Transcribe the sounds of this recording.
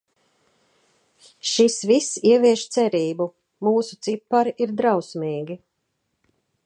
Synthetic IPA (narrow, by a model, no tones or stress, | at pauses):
ʃisvisiɛviɛʃt̪sɛɾiːbu | muːsut̪sipːaɾiɾd̪ɾawsmiːɡʲi